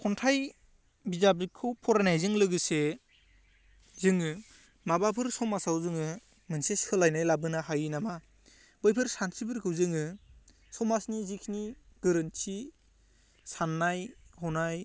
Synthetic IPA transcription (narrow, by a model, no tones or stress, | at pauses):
kʰɔntʰaj | bizabikʰɯwpʰɔɾajnajzɯŋlɯɡɯse | zɯŋɯ | mabapʰɯɾsɔmasawzɯŋɯ | mɯnsesɯlajnajlabɯnaɦajɯnama | b̥ɯjpʰɯɾsansʰibʰɯɾkʰɯwzɯŋɯ | sɔmasnizikʰniɡ̥ɯɾɯnt͡ʃʰi | sanːajhɔnaj